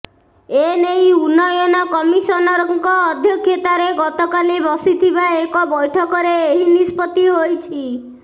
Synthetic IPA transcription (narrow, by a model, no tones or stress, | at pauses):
enejunːɔjɔnɔkɔmisɔnɔɾɔŋkɔːd̪ʱjɔkʰːjɔt̪aɾeɡɔt̪ɔkalibɔsit̪ʰibaekɔbɔjʈʰɔkɔɾeːɦinispɔt̪iɦojt͡ʃʰi